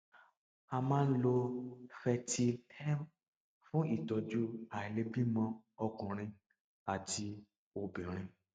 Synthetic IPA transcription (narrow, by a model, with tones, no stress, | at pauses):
a˧mãː˦n̩˦lo˧fɛ˧ti˧tʰɛ˦m | fũ˦i˦˨dɔ˧d͡ʒu˦a˨i˨le˨˧bi˦mɔ̃˧ɔ˧kũ˨ɾ̃ĩ˧ | a˨ti˧ | o˧bĩ˨ɾ̃ĩ˧